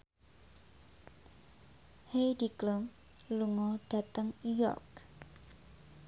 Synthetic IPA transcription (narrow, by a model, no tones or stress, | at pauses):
hejdiklum | luŋɔɖ̥a̤t̪əŋujɔ̰rk